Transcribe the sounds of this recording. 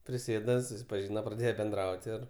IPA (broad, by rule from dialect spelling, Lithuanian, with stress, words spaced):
pʲrʲɪˈsʲeːdɐ sʊsʲɪpɐˈʒʲiːnɐ prɐˈdʲeːjɛ bʲɛnˈdrɐʊtʲ ɪr